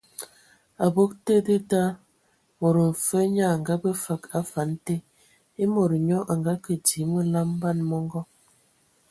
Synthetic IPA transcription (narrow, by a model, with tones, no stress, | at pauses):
a˨bo˦k̚te˦də˦ta˦ | mo˨ɾə˨ɱ̩˨fə˦ɲa˦˨ŋ˨ɡa˦bə˦fa˨ka˦fa˨˦n˦te˦ | e˦mo˨ɾɲɔ˦ʔa˨ŋɡa˦kə˨di˨˦mə˦la˦m˦ba˦˨nmɔ˦ŋɡɔ˦